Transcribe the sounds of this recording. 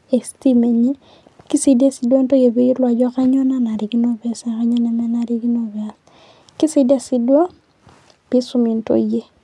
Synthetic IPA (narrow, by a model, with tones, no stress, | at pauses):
e˨sti˦me˨ɲe˦ | ki˦si˦da˦si˨dwa˦nto˦je˨be˦i˦lwa˨d͡ʒɔ˦ka˦ɲɔ˦na˦na˨ɾi˨ki˦no˦bɛ˦sa˨ka˦ɲɔ˦na˨na˦na˨ɾi˦ki˦no˨ba˨s | kɪ˦si˦di˦a˦si˦dwa˦ | b̥i˦su˦mi˨nto̰˦je˦